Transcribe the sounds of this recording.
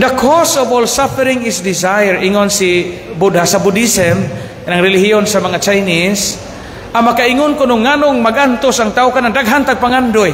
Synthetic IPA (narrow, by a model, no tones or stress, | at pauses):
d̪əkʰɔsɔvɔlsafɛɾiŋɪsdizajɛɾiŋɔnsibudhasabudisɛm | kanaŋɾɛliɦiɔnsamaŋat͡ʃajnis | ʔamakaiŋʊnkʊnʊŋːanʊŋmaɡant̪ʊsaŋt̪aukanaŋdaɡɦant̪aɡ̚paŋandoj